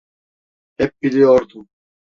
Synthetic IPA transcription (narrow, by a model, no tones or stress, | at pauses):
hɛp̚bilʲijoɾd̪um